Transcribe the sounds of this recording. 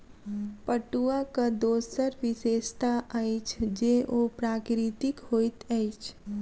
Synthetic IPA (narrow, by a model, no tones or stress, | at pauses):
pəʈuakad̪oːsəɾʋɪʃeːʃt̪aʔait͡ʃʰd͡ʒeʔopɾaːkɾit̪ɪkhoːit̪əɪt͡ʃʰ